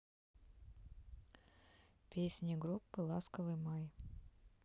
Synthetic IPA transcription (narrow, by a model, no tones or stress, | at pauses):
pʲesʲnʲiɡɾupːɨlˠaskəvɨjmaj